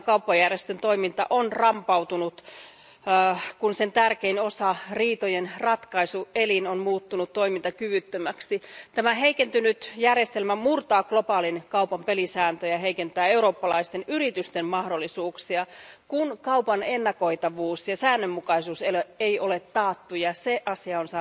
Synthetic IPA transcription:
kɑupːɑjærjest̪ønt̪o̞imint̪ɑ̰ʔonrɑmpɑwt̪unut̪ː | kunsent̪ærkeinosɑriːt̪ojenrɑt̪kɑisuelinonmuːt̪ːunut̪t̪ːo̞imint̪ɑkyʋyt̪ːømæksit̪æmæɦeikent̪ynyt̪jærjest̪elmæmurt̪ɑːklopɑːlinkɑupɑmpelisæːnt̪øjæɦeikent̪æːeuɾoːpːɑlɑ̰ist̪enyrit̪yst̪emmɑhdolːˑisuːksiɑkunkɑupɑnenːɑko̞it̪ɑʋuːsjɑsæːnːømːukɑisuːseløeiolet̪ːɑːt̪ːujɑseʔɑsiɑonsɑː

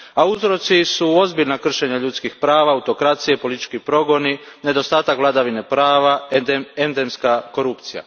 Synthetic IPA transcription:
auzɾo̞t̪sisuo̞zbiʎnakr̩ʃe̞ɲaʎut̪skixpɾaːʋaːut̪o̞kɾat̪sije̞po̞lit̪i̥t͡ʃkipɾo̞ɡo̞nine̞d̪o̞st̪aːt̪akʋlad̪aʋine̞pɾaːʋaend̪emskako̞ɾupt̪sija̰

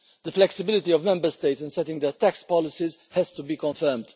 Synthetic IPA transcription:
d̪əflɛksɪbɪlɪt̪iɔvmɛ̃mbəɾst̪eɪt̪sɪ̃nsɛt̪ɪ̃ŋɡd̪ɛt̪ækspɔlɪsizhɛz̥t̪ubiːkɔ̃nfɜɾmd̪

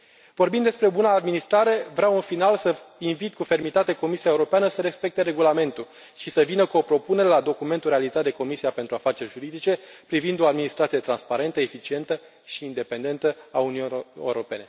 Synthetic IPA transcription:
vo̞rbind̪e̞spɾe̞obunaːd̪minist̪ɾaɾe̞vɾaunfinalsəinvit̪kufe̞rmit̪at̪e̞ko̞misiaeuɾo̞peanəsəɾe̞spe̞k̚t̪e̞ɾe̞ɡulame̞nt̪u | ʃisəvinəkuo̞pɾo̞pune̞ɾelad̪o̞kume̞nt̪uɾe̞alizat̪̚d̪e̞ko̞misiape̞nt̪ɾuafat͡ʃe̞rʲʒuɾid̪it͡ʃe̞pɾivind̪o̞ad̪minist̪ɾat̪sijet̪ɾanspaɾe̞nt̪əefit͡ʃie̞nt̪ə | ʃiːnd̪e̞pe̞nd̪e̞nt̪əaunieɾo̞pe̞ne̞

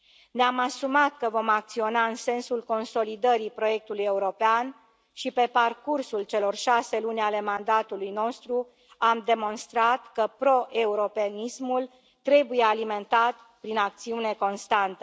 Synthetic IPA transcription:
neamasumat̪kəvo̞mak̚t̪sio̞naɨnse̞nsulko̞nso̞lid̪əɾipɾo̞je̞k̚t̪uluje̞uɾo̞pean | ʃipe̞parkursult͡ʃe̞lo̞rʃase̞lunʲale̞mand̪at̪ulujno̞st̪ɾu | amd̪e̞mo̞nst̪ɾat̪kəpɾo̞ʔe̞uɾo̞peanismul | t̪ɾe̞buje̞alime̞nt̪at̪ | pɾinak̚t̪siune̞ko̞nst̪ant̪ə

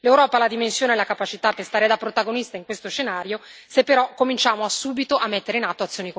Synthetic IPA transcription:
lewɾɔːpalad̪imensjoːneɛlakapat͡ʃit̪apːest̪aːɾed̪apːɾot̪aɡonist̪aiŋkwest̪oʃenaːɾjosepːeɾɔkːomint͡ʃaːmoasuːbit̪oʔamːet̪ːeɾeinat̪ːoat̪sːjoːnik

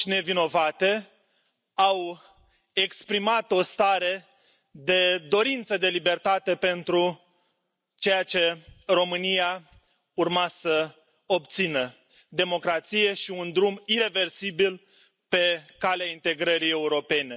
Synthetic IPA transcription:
ne̞vino̞vat̪e̞ | aw | ekspɾimat̪o̞st̪aɾe̞ | d̪e̞d̪o̞ɾint̪səd̪e̞libe̞rt̪at̪e̞pe̞nt̪ɾu | t͡ʃe̞jat͡ʃe̞ro̞mɨnija | urmasə | obt̪sinə | d̪e̞mo̞kɾat̪sije̞ʃiund̪ɾumiɾe̞ve̞rsibil | pe̞kaleaint̪e̞ɡɾəɾije̞uɾo̞pe̞ne̞

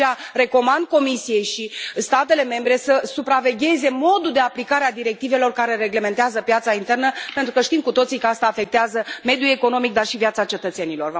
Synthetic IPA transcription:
are̞ko̞mand̪̚ko̞misije̞jʃist̪at̪e̞le̞me̞mbɾe̞səsupɾave̞ɡʲe̞ze̞mo̞d̪uld̪e̞aplikaɾead̪iɾe̞k̚t̪ive̞lo̞rkaɾe̞ɾe̞ɡle̞me̞nt̪eazəpjat̪saint̪e̞rnəpe̞nt̪ɾukəʃt̪imkut̪o̞t̪sikəast̪aːfe̞k̚t̪eazəme̞d̪jue̞ko̞no̞mik̚d̪arʃivijat̪sat͡ʃe̞t̪ət̪se̞nilo̞rv

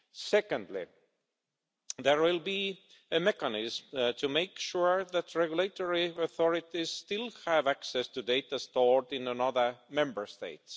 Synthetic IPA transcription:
sɛkə̃ndlḭ | ðeɹwɪlˠbi | ɨmɛkanɪzmtʰumeɪkʃuɹðæt̪ɹɛɡjulet̪oɹiəθɔɹit̪iz̥stɪlˠhævæksɛstudeɪt̪ast̪ɔɹdɪ̃nənʌðə˞mɛ̃mbə˞st̪ḛɪts

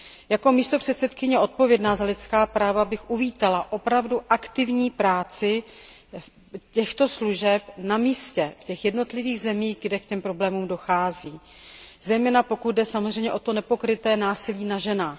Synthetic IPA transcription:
jako̞miːst̪o̞pr̝̥ɛt̪sɛt̪kɪɲɛʔo̞t̪̚po̞vjɛdnaːzalɪt̪t͡skaːpɾaːvabɪxʔuviːt̪alaʔo̞pɾavduʔakt̪ɪvɲiːpɾaːt͡sɪ | cɛxt̪o̞sluʒɛpnamiːscɛfcɛxjɛdno̞t̪lɪviːɣzɛmiːɣɡdɛkcɛmpɾo̞blɛːmuːmdo̞xaːziː | zɛjmɛːnapo̞kut̪̚dɛsamozrɛjɲɛʔo̞t̪o̞nɛpo̞kɾɪt̪ɛːnaːsɪliːnaʒɛnaːx

